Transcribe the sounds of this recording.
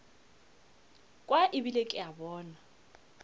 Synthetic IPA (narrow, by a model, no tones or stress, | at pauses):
kʼwaʔɪbilekʼɪabɔːna